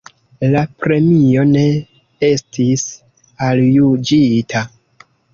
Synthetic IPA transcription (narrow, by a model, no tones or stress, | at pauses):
lapɾe̞mio̞ne̞ | e̞stʰis | aljud͡ʒitʰa